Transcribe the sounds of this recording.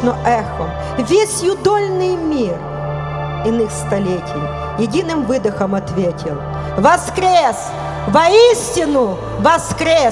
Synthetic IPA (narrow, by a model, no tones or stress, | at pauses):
nɔʔɛxɔ | ʋʲesʲjʊd̪ɔlʲnɪjmʲir | ɪnɪxst̪ɐlʲetʲɪj | jɪdʲinɨmvɪd̪ɪxɐmɐt̪ʋʲetʲʰɪlˠ | ʋɐskɾʲes | ʋɐisʲtʲɪnʊ | ʋɐskɾʲe